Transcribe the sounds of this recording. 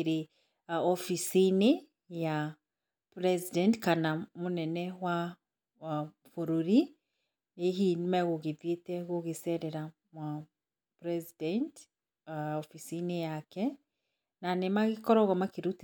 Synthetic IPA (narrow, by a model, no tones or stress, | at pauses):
eɾe | ɔfisine | ja | pɾɛzidɛntkanamonɛnɛwa | foɾoɾi | eɦinimɛɣoɣeðjetɛɣoɣesɛɾɛɾa | mwa | pɾɛzidɛnt | ɔfisinejakɛ | nanemaɣekɔɾɔɣɔmakiɾut